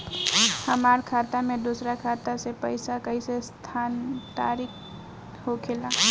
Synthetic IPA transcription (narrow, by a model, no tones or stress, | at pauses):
həmaɾkʰat̪amed̪osɾakʰat̪asepəɪsakəisest̪ʰant̪aɾik̚ʰ | ɦokʰela